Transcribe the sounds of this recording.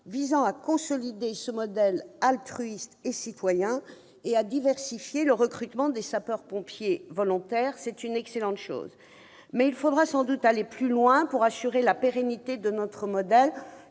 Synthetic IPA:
vizɑ̃akɔ̃sɔlid̪esəmɔd̪ɛlalt̪χɥist̪esit̪wajɛ̃ | ead̪ivɛʁsifjeləʁəkχyt̪mɑ̃d̪esapœʁpɔ̃pjevɔlɔ̃t̪ɛːʁsɛt̪ynɛkselɑ̃t̪ʃo̰ːz | mɛilfod̪ʁasɑ̃d̪ut̪aleplylwɛ̃puʁasyʁelapeʁenit̪ed̪ənɔt̪χəmɔd̪ɛl

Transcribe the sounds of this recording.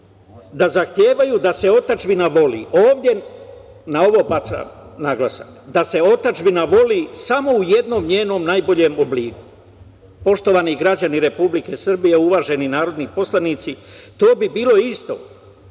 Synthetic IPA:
d̪azaxt̪je̞ːʋajud̪ase̞o̞t̪at͡ʃbinaʋo̞lḭːʔoːʋd̪je̞ | nao̞ʋo̞pat̪sa̰ | naɡlˠasa̰kd̪ase̞o̞t̪at͡ʃbinaʋo̞liːsamo̞ujed̪no̞ːmɲeːno̞ːmnajbo̞ʎe̞mobliːku̥ | po̞ʃt̪o̞ʋaːniɡɾad͡ʑaniɾe̞publike̞sr̩bije̞uʋaːʒe̞ninaːɾo̞d̪nipo̞slaniːt̪sit̪o̞ːbibiːlo̞ist̪o̞̰

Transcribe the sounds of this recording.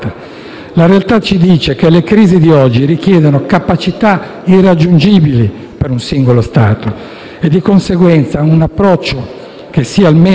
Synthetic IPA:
a | laɾealt̪at͡ʃid̪iːt͡ʃekelekɾiːzid̪iɔd͡ʒːiɾikjɛːd̪onokapat͡ʃit̪a | irad͡ʒːund͡ʒiːbili | peɾunsiŋɡolost̪aːt̪o | ed̪ːikonseɡwɛnt̪saunapːɾɔt͡ʃːo | kesːialme

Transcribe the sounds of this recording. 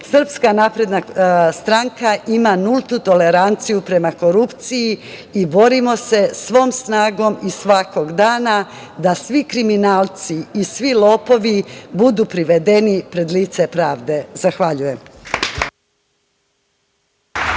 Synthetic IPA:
sr̩pskanaːpɾe̞d̪nast̪ɾaŋkaʔimanult̪ut̪o̞le̞ɾant̪sijupɾe̞mako̞ɾupt̪siji | ibo̞ɾimo̞se̞sʋo̞ːmsnaːɡo̞misʋako̞ɡd̪aːna | d̪asʋikɾiminaːlˠt̪siːsʋilo̞ːpo̞ʋibud̪upɾiʋe̞d̪e̞nipɾe̞d̪liːt̪se̞pɾaːʋd̪e̞zaxʋaʎuje̞m

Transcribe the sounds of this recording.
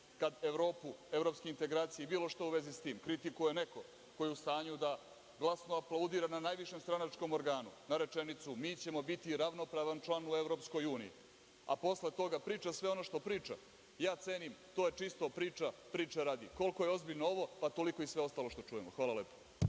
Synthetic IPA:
kad̪e̞ʋɾo̞ːpue̞vɾo̞pskeint̪e̞ɡɾaːt̪sijeibiːlo̞ʃt̪auʋe̞zist̪iːmkɾit̪ikuje̞ne̞ko̞ | ko̞jiust̪aːɲud̪a | ɡlˠasnoaplˠaud̪iːɾananaːjʋiʃe̞mst̪ɾanat͡ʃko̞mo̞ɾɡaːnunaɾe̞t͡ʂe̞nit̪sumiːt͡ɕe̞mo̞bit̪iɾaʋno̞pɾaːʋant͡ʂlˠanue̞ʋɾo̞psko̞juːnḭḭ | a̰po̞sle̞t̪o̞ɡapɾiːt͡ʃasʋeono̞ʃt̪o̞pɾiːt͡ʂa̰ | jaːt̪seːnimt̪o̞je̞t͡ʂist̪opɾiːt͡ʂapɾiːt͡ʂaɾaːd̪iko̞lko̞jeo̞zbiʎnoo̞ʋo̞pat̪o̞liko̞isʋe̞o̞st̪aːlo̞ʃt̪o̞t͡ʂujemoxʋaːlˠaleːpo

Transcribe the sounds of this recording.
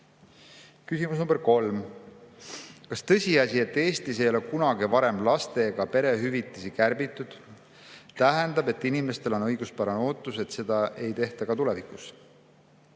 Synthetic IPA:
kysʲimusnumbeɾko̞lm | kɑst̪ɤ̞sʲiɑsʲie̞t̪ːˑe̞ːst̪is̬e̞jo̞lekunɑɡivɑɾe̞mlɑst̪e̞ɡ̥ɑpe̞ɾe̞ɦyvit̪ːˑisikærbit̪ːˑud̪̥ | t̪æɦend̪ɑbe̞t̪ːˑinime̞st̪e̞lo̞nɤjɡ̥uspɑɾɑno̞ːt̪ːˑuse̞t̪se̞d̪ɑʔe̞jt̪e̞ht̪ɑɡ̥ɑt̪ule̞vikˑus

